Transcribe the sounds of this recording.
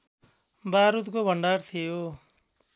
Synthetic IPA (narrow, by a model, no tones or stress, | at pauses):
baɾut̪kobʱʌɳɖaɾt̪ʰijo